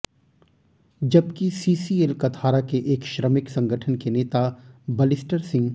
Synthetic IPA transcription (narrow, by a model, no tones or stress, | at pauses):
d͡ʒɐbkisiːsielkɐt̪ʰaːɾakeʔeːkʃɾəmɪksɐ̃ŋɡʱəʈʰənkeneːt̪abɐlɪsʈəɾsɪ̃ŋɡ